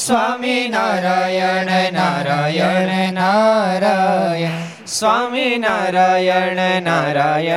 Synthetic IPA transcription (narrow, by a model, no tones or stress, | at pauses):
sʋaːminaːɾaːjəɳenaɾajɐɳenaɾajə | sʋaːminaːɾaːjəɳenaɾaːjə